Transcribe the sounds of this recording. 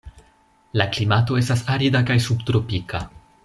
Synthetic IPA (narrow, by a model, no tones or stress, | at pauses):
laklimato̞e̞stasaɾidakajsubt̪ɾo̞pika